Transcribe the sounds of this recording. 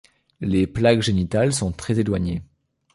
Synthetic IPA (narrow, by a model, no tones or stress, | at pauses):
leplakʒenit̪alsɔ̃t̪χɛzelwaɲe